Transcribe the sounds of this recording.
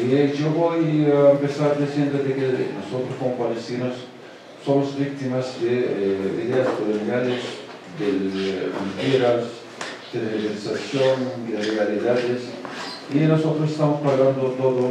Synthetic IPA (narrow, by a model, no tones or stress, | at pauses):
iʒoβojaempesaɾd̪isjend̪oðekenosot̪ɾoskomopalest̪inosː | omozbik̚t̪imazd̪eḭðeaspɾoleɾiaɾes | d̪ement̪iɾas | d̪̥eleβeɾisasjond̪erealiðaðesinosot̪ɾos̬est̪amospaɣand̪ot̪oðo